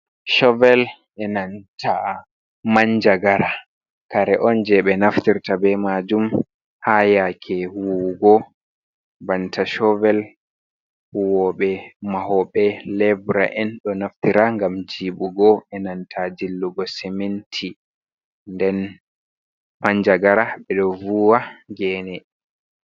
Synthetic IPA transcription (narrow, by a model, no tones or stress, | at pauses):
ʃɔvɛl | ɛnantʰa | maɲd͡ʒaɡaɾa | kaɾɛʔɔnd͡ʒɛɓɛnaftiɾtabɛmad͡ʒum | hajakʰɛwuɡɔ | bantʰaʃɔvɛl | huwɔɓɛmahɔɓɛlɛbɾa̰ʔɛnɗɔnaftiɾaŋɡamd͡ʒiːɓuɡɔɛnantʰad͡ʒilːuɡɔsɛmentʰi | ndɛn | paɲd͡ʒaɡaɾaɓɛɗɔvuːwaɡɛːnɛ